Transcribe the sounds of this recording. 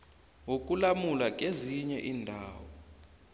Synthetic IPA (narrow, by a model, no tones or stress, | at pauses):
wok̬ʼulamulak̬ʼeziɲɛʔiːndʱaːwɔ